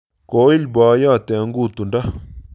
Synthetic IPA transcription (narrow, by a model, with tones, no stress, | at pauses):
ko˨˦i˦lba˨˦ja˦˨t̪ɛ˨˦ŋɡu˦˨t̪u˨nda˦